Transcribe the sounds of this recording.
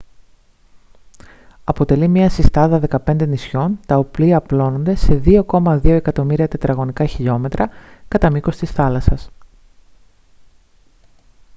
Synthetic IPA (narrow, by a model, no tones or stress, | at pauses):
ɐpo̞t̪e̞limɐsist̪ɐðɐðe̞kɐpe̞nd̪e̞nisço̞nt̪ɐopliɐplo̞no̞nd̪e̞se̞ðio̞ko̞mɐðio̞e̞kɐt̪o̞miɾiɐt̪e̞t̪ɾɐɣo̞nikɐçiʎo̞me̞t̪ɾʔɐkɐt̪ɐmiko̞st̪isθɐlɐsɐs